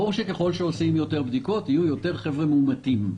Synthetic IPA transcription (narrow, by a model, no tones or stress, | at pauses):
oʁʃekeχo̞lʃeosimjo̞t̪eʁbd̪iko̞t̪ijujo̞t̪e̞ʁχevʁemeumat̪im